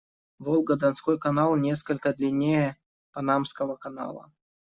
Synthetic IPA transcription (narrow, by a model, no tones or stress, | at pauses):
volˠɡəd̪ɐnskojkɐnalˠnʲe̞skəlʲkəd̪lʲɪnʲejə | pɐnamskəvəkɐna̰lˠə̰